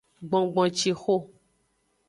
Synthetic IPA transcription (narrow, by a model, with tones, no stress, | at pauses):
ɡ͡bɔ̃˨ɡ͡bɔ̃˨t͡ʃi˨xo˦